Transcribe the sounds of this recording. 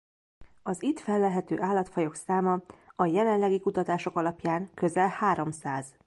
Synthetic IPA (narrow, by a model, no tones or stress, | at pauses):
ɒzit̪fɛlːɛɦɛt̪ø̰ːʔaːlːɒt̪fɒjo̞ksaːmɒɒjɛlɛnlɛɡikut̪ɒt̪aːʃo̞kɒlɒpjaːŋkø̞zɛlhaːɾo̞msaːz